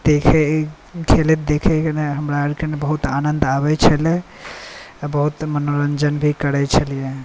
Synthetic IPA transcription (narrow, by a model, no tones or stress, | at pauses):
d̪̥ekʰɛ | kʰelet̪̚d̪ekʰɛkeneɦəmɾaəɾkenebəɦut̪anənd̪aβɛt͡ʃʰəle | bəɦut̪mənoɾənd͡ʒənbʱikəɾɛt͡ʃʰəlije